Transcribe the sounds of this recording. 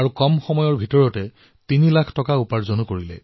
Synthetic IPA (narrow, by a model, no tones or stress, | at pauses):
aɹukɔmxɔmɔjɔɹbʱitɔɹɔtɛ | tinilakʰtɔkaupaɹzonukoɹilɛ̰